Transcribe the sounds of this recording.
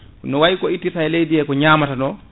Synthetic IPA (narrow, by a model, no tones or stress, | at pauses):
nɔwaikɔitːitaɛlejdiɛkɔɲaːmatanɔ